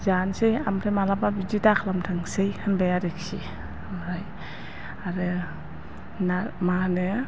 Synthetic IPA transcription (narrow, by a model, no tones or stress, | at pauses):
zansejamtʰajmalababid͡ʒitakʰlamtʰɯŋsejhʰɯnbajaɾeksḭ | amɾaj | aɾɯ | namanɯ